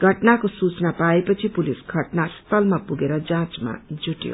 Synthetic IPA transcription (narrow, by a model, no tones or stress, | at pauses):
ɡʱʌʈnakosut͡snapaepʌt͡sʰipulisɡʱʌʈnast̪ʌlmapuɡeɾʌd͡zãt͡sma̰d͡zuʈjo̰